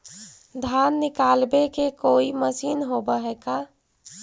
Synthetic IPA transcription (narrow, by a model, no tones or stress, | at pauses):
d̪ʱanːɪkalbekekoːiməsiːnɦobəɦɛka